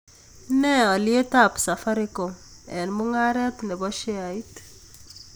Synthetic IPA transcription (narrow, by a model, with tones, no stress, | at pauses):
nɛ˦ɔ˨lɪe˦ta˦psa˨fa˦ɾɪ˦ko˨mɛ˨nmʊ˦ŋa˦ɾɛ˦t̪nɛ˨bɔ˦ʃe˦a˨i˦t̪